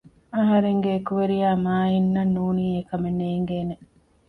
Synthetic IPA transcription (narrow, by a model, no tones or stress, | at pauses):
ɐɦɐɾeŋɡeːkuʋeɾijaːmaːinːɐnːuːniːekɐmenːeiŋɡeːne